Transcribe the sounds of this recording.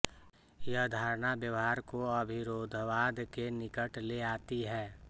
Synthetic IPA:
jəd̪ʱaːɾnabjəʋɦaːɾkoəbʱɪɾoːd̪ʱʋaːd̪kenɪkəʈleaːt̪iɦɛː

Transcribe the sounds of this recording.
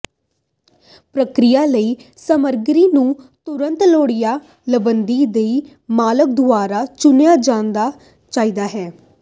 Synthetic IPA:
pɾəkɾɪjaːləiː | səməɾɡɾiːnũːt̪ʊɾə̃nt̪loːɽijaː | ləbənd̪iːd̪eiː | maːlək̚d̪ʊaːɾaːt͡ʃʊnjaːd͡ʒãːnd̪aː | t͡ʃaːiːd̪aːɦɛː

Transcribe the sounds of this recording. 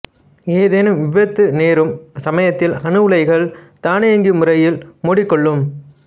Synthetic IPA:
eːðeːnɯmʋɪʋɐt̪ːɯneːɾɯmsɐmɐjɐt̪ːɪlɐnɯʋɯɭɐɪɣɐɭt̪aːnɪɐŋɡɯmʊrɐjɪlmoːɽɪkːɔɭːɯm

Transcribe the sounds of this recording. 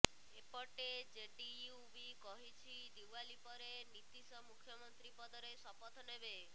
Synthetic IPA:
epɔʈed͡ʒeɖiubikɔɦit͡ʃʰid̪iwalipɔɾenit̪isɔmukʰjɔmɔnt̪ɾipɔd̪ɔɾesɔpɔt̪ʰnebe

